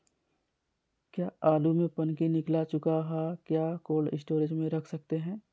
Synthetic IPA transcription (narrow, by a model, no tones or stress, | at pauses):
kjaːaːlumẽpɐnkinɪklat͡ʃʊkaɦɛkjaːkoːlɪ̰sʈoːɾɪd͡ʒmẽɾɐkʰsɐk̚t̪eɦɛ̃ː